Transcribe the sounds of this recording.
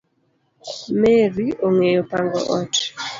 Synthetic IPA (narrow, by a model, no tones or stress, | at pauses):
meɾioŋejopaŋɡɔ̰ʔɔt